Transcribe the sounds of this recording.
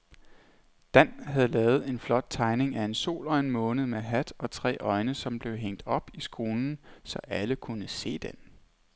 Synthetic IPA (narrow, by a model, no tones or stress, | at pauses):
d̥æn̰ɦæð̞̩ˠlɛːʊð̞̩ˠe̝nflɒ̽d̥̚t͡sʰɑ̈ɪne̝ŋæe̝nso̝̰ːlɒɪnmɔ̽ːnð̞̩ˠmeɦæd̥ɒ̽t͡sʰʁɛ̰ːʔɒ̽ɪnəsɒ̽mb̥le̝ʊɦeŋ̰d̥ɒ̽b̥isɡ̥ʁo̝ːnn̩sɒ̽ʔæləkʰunəse̝̰ːd̥en